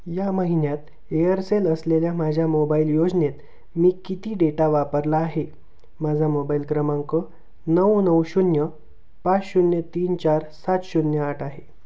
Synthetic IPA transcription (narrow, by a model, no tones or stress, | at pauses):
jaməɦinjat̪ | eəɾseləsleljamad͡ʑʱjamobailjod͡znet̪ | miːkit̪iːɖeʈaʋapəɾlaːɦe | mad͡zʱamobailkɾəmãŋkə | nəwnəwɕunjə | pat͡sɕunjət̪iːnt͡ɕaɾsat̪ɕunjəaʈaɦe